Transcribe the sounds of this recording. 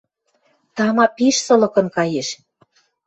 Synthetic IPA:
t̪ɑmɑpiʃsɤ̆lɤ̆kɤ̆nkɑjeʃ

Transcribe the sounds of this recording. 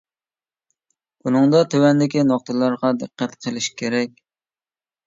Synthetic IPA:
bunɨŋd̪ɑt̪ʰøwɛnd̪ɪkʲinoχt̪ʰɨlˠɑɾʁɑd̪ɨqːæt̪qʰəlˠɪʃkʲʰeɾɛkʲ

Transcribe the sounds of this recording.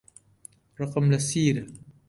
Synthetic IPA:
ɾˤɑqɑmlasiːɾa

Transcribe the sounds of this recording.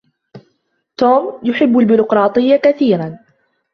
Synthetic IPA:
t̪oːmjʊħɪbːalbʊɾʊqɾˤɑːt̪ˤɨjːakaθiːɾan

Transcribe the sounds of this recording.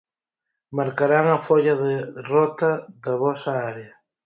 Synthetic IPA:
maɾkaɾaŋɐfoʎɐðɪrɔt̪ɐðɐβɔsaaɾeɐ

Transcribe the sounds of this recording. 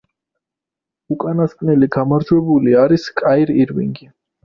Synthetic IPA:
ukʼanaskʼnɛliɡamaɾd͡ʒwɛbuliaɾiskʼaiɾiɾwḭŋɡi

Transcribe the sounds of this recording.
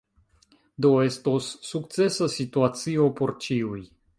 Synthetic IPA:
do̞e̞stosːukt͡se̞sasituat͡sio̞po̞ɾt͡ʃiuj

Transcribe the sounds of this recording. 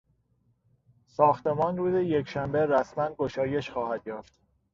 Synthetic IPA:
sɒːxt̪emɒːnruːzejekʃæmbe̞ɾæsmænɡoʃɒːje̞ʃxɒːhæd̪jɒːft̪

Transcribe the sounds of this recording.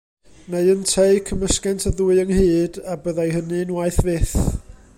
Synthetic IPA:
neɨəntʰejkʰəməskɛntʰəðuɨənhɨːdabəðajhənɨnwajθvɪθ

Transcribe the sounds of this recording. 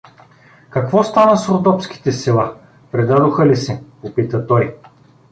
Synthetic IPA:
kɐkvɔst̪anəsɾot̪ɔpsk̟i̥t̪ɛsɛlˠa | pɾɛd̪ad̪ʊxəlisɛpopit̪ət̪ɔj

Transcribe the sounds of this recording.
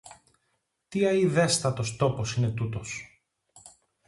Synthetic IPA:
t̪iɐiðest̪ɐt̪o̞st̪o̞po̞sine̞t̪ut̪o̞s

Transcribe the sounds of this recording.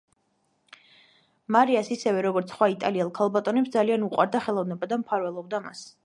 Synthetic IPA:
maɾiasisɛvɛɾɔɡɔɾt̪sʰχwait̪ʼaliɛlˠkʰalˠbat̪ʼɔnɛpsd̪zalianuqʼwa̰ɾd̪aχɛlˠɔvnɛbad̪ampʰaɾvɛlˠɔb̚d̪ama̰s

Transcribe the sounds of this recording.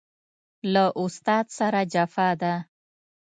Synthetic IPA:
laʔʊst̪ɑd̪saɾad͡ʒafɑd̪a

